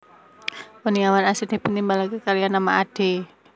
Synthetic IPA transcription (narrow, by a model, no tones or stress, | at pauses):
wəniawanasid̪̥e̤pənt̪imbalakəkaɾijanːamaʔaɖ̥e̤